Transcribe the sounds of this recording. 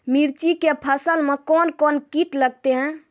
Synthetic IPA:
miɾt͡ʃikepʰəsəlmekɔnkonkiʈləɡt̪eɦɛ̃

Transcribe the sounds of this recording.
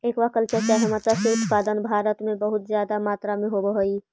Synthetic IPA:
eːkʋakəlt͡ʃəɾt͡ʃaɦəmat̪aseʊt̪paːd̪ənbʱaːɾət̪mẽbəɦʊt̪zjaːd̪amaːt̪ɾamẽɦobəɦoi

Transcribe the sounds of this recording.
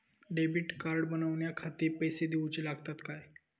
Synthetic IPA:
ɖebiʈkaɾɖbənəʋɳjakʰat̪iːɾpəjsed̪eut͡ɕilaɡt̪at̪kaj

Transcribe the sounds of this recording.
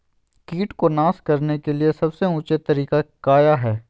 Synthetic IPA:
kiːʈkonãːskɐɾnekeliesɐbseʊ̃t͡ʃet̪ɐɾiːkakaːjaɦɛː

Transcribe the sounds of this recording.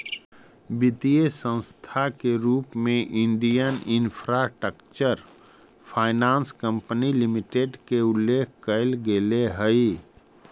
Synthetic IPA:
bɪt̪iesə̃nst̪ʰakeɾuːpmẽʔɪ̃ɳɖijənɪnpʰɾasʈɾəkt͡ʃəɾ | pʰaːɪnaːnskə̃mpnilɪmɪʈeɖkeʊlːeːkʰkəɪlɡeleɦəi

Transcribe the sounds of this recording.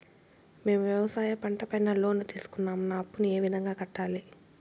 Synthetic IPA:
me̞ːmʋjɛʋɐsaːjɐpɐɳʈɐpɐjnɐlo̞ːnːut̪iːsu̥kunːaːmnaːɐpːunue̞ːʋid̪ʱɐŋɡaːkɐʈːaːli

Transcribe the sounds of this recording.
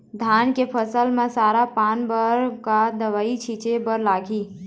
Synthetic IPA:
d̪ʱankepʰəsəlmesaɾapanbəɾkad̪əʋait͡ʃʰit͡ʃebəɾlaɡʱi

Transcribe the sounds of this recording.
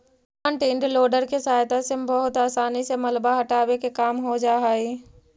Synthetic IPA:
ə̃ɳʈẽɳɖloːɖəɾkesaːjt̪asebɐɦʊt̪aːsaːnisemɐlbaɦɐʈaːwekekaːmɦod͡ʒaːɦaːiː

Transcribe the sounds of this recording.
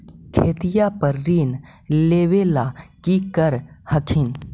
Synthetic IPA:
kʰeːt̪ijapəɾːiːn | leːʋelakikəɾhəkʰin

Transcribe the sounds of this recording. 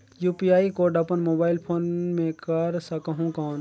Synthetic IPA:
juːpijaːikoɖɐpənmoːbaːɪlpʰoːnmẽkəɾsəkəɦũkɔːn

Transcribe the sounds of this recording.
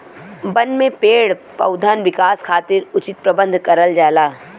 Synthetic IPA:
bɐnmẽpeːɽpɐ̰ʊd̪ʱaːnʋɪkaːskʰaːt̪ɪɾʊt͡ʃɪt̪̚pɾɐbə̃nd̪ʱkɐɾəld͡ʒaːlaː

